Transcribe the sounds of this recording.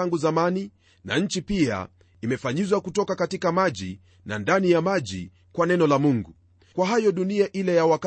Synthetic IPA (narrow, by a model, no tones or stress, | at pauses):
aŋɡuzamani | na̰ɲ̩t͡ʃipia̰ | imɛfaɲizwakutɔkakatikamaʄi | na̰ndanijamaʄḭ | kwanɛnɔlamuŋɡu | kwaɦajɔɗuniaʔilɛjawak